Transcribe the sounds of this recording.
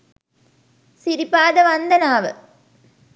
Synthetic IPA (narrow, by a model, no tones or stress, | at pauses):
siɾipaːd̪əʋɐnd̪ɐnaːʋə̰